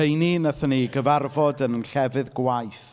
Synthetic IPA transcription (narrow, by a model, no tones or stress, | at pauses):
ejninəθəniɡəvarvɔdənənɬɛvɨðɡwajθ